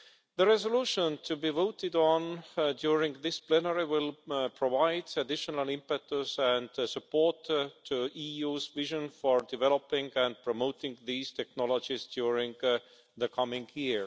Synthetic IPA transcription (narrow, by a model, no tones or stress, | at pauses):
ðəɹɛzoluːʃə̃ntʰubivoʊt̪ɪdɔ̃ndjuɹɪ̃ŋɡðɪsplɛnəɹiwɪlpʰɹ̥ovaɪdædɪʃənəlɪ̃mpɛk̚t̪əzæ̃ndsəpoːɹtʰːuʔiːjuːzvɪʒə̃nfoɹdɪvɛlopɪ̃ŋɡæ̃nd̚pʰɹ̥omoʊtɪ̃ŋɡðiːz̥t̪ʰɛknɔlod͡ʒɪzdjuːɹɪ̃ŋɡ | ðəkʰʌmɪ̃ŋɡjiɹ